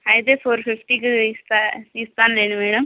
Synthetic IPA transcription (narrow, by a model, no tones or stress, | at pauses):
ajd̪epʰoːɾpʰɪpʈiːkst̪ist̪aːnleːnmɛːɽəm